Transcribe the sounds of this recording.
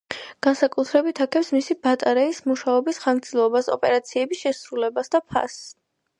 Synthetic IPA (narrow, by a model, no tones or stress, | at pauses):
ɡ̥ansakʼut̪ʰɾɛbit̪ʰakʰɛpsmisibat̪ʼaɾɛismuʃaɔbisχasʰilˠɔbasɔ̰pʼɛɾat̪sʰiɛbisʃɛsɾulɛbasd̪apʰa̰s